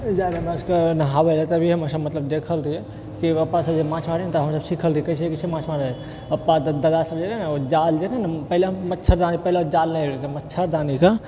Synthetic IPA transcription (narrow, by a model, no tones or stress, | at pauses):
d͡ʒaleməskenəɦaʋelet̪ebʱiɦɐməsəbmət̪ləbd̪ekʰəlɾiɦɛ | kiɐpːasəbd͡ʒemãt͡ʃʰmaɾet̪oɦəmsəbsikʰəlɾiekɐs̬ekisemãːt͡ʃʰmaɾ | ɐpːad̪əd̪asəbd͡ʒeɾɦnod͡ʒald͡ʒeɾɛnpəɦleɦmətːʃʰəɾd̪anipəɦleod͡ʒalnəɾet̪emətːʃʰəɾd̪aːnika